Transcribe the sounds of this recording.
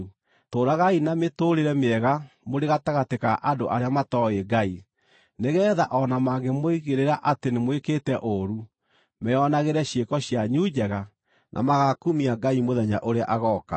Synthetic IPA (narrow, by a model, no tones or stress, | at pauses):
toːɾaɣainametoːɾeɾɛmeɛɣamoɾeɣataɣatekaʔadoʔaɾeamatɔeɡai | neɣɛːðaʔɔnamaɣɡɛmoiɣeɾeɾaʔatenemwekeːtɛʔoɾu | mɛɔnaɣeɾɛɕjekɔɕjaɲud͡ʑɛɣa | nʔa̰maɣakumiaɡaimoðɛɲa̰ʔoɾea̰ʔaɣɔka̰